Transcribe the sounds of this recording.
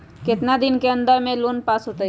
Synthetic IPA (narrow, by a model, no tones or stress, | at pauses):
ket̪nad̪inkeənd̪əɾmẽlonpasɦot̪ə